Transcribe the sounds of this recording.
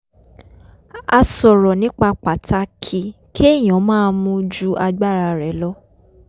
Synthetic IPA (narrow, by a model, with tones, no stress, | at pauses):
a˧sɔ˨ɾɔ˨nĩ˦k͡pa˧k͡pa˨tʰa˧˦kʰi˧kʰi˦e˦˨j̃ɔ̃˨˦mãː˦mũ˦d͡ʒu˦ʔa˧ɡ͡ba˦˨ɾa˧ɾɛ˨˦lɔ˦